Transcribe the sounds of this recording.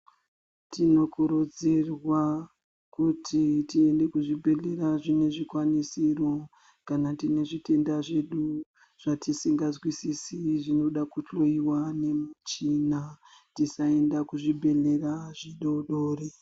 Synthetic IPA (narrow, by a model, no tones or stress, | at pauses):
tino̞kuɾo̞d͡zerwa | kutʰitie̞nde̞kuʐibʱe̞ɮe̞raʐine̞ʐikwanisiro̞ | kanatine̞ʐite̞ndaʐe̞ɗu | ʐ̥atisiŋɡazwisisiʐino̞ɗakuɬo̞iwane̞mut͡ʃina | tisae̞ndakuʐibʱe̞ɮe̞raʐiɗo̞ɗoːre